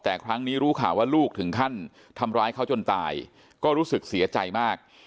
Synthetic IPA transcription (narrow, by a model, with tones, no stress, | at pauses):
t̪ɛː˨˩kʰɾa˦˥ŋniː˦˥ɾuː˦˥kʰaː˨˩˦waː˥˩luː˥˩k̚t̪ʰɯ˩˦ŋk̪ʰa˥˩n | t̪ʰa˧mɾaː˦˥jkʰa˥˩wt͡ɕo˧nt̪a̰ː˧j | kɔː˥˩ɾuː˦˥sɯ˨˩k̚si˩˦ɐ˦t͡ɕa˧jmaː˥˩k̚